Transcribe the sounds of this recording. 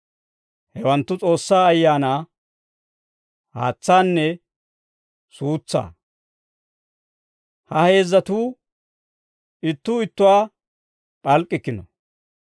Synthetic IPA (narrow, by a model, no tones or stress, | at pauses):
hɛwɐnt̪ːʊt͡sʼo̞ːsːaːɐjːaːnaː | ha̰ːt͡sːaːnːɛ | suːt͡sːa̰ː | hɐhe̞ːzːɐt̪uː | ɪt̪ːuːɪt̪ːʊwaː | pʼɐlkʼːɪkːɪnɔ̰